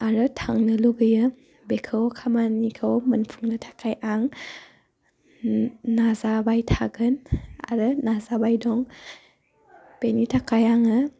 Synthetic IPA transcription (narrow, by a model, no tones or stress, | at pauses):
aɾɯtʰaŋnɯluɡɯjɯ | bekʰɯwkʰamanikʰɯwmɐnpʰuŋnɯtʰḁkʰajʔaŋ | nazabajtʰaɡɯna̰ɾɯnazabajdɔŋ | penitʰakajaŋɯ